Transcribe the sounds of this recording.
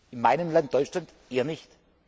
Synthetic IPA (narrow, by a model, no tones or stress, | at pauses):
ɪnmaɪnəmlant̚d̥ɔʏt͡ʃlant | ʔeːɐnɪçt